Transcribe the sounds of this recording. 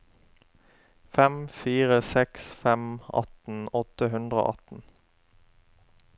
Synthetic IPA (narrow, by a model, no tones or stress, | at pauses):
fɛmfiːʁəsɛksfɛmɑ̰t̪n̩ɔt̪əɦʉnd̪ʁo̰ːʔɑt̪n̩